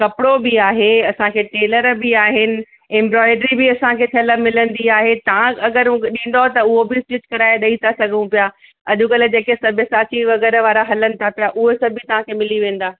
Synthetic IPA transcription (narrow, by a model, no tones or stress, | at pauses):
kɐpɪɽobɪaːɦeɐsãkʰeːʈeːləɾbɪaːɦɪnɪ̆ | ɛ̃mbɾɔːɪɖɾibɪɐsãkʰeːt̪ʰɐlamɪlə̃nd̪iaːɦet̪ɐʋ̤ãɐɡəɾũkeɗĩːnd̪oɦt̪ɐʊɦobɪɪsʈɪt͡ɕkɐɾaːeɗɐit̪ʰasɐɡʱəũpijaː | ɐʄũkɐled͡ʑeːkesɐbʱəsaːt͡ɕiʋɐɣɛːɾəʋaːɾaɦɐlənɪ̆t̪ʰapijaʔʊɦosɐbʱit̪ɐʋ̤ãkʰeːmɪliʋẽːnd̪aː